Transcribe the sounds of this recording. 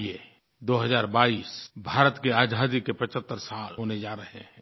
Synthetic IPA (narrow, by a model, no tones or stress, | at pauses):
e | d̪oːɦəzaːɾbaːiːsbʱaːɾət̪keaːd͡ʒʱaːd̪ikepɐt͡ʃət̪ːəɾsalɦoːned͡ʒaːɾɐɦeɦɛ̃ː